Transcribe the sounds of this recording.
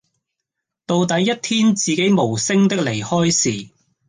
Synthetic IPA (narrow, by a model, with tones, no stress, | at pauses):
t̪o˧wt̪ɐ˨˥jːɐ˥t̚t̪ʰiː˥nt͡siː˨ke˨˥jmo˨˩wsɪ˥ŋt̪ɪ˥k̚le˨˩jhɔː˥jsiː˨˩